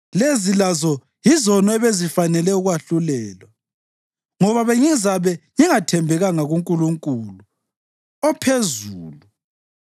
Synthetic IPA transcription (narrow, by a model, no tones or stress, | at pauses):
lezilazɔ | jizɔnɔɛβezifanɛlɛuɣwaɬulɛːlwa | ŋɔβaβeŋizaβɛŋiŋatʰɛmbʱɛɣaŋaɣuŋkʼuluŋkʼulu | ɔpʰezuːlu